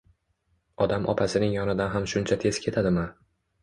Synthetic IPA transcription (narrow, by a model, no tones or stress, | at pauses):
ɒd̪amʔɒpʰasɪnɪŋjɒnɪd̪anɦamʃʊnt͡ʃʰat̪ʰe̞zkʲʰe̞t̪ʰad̪ɪma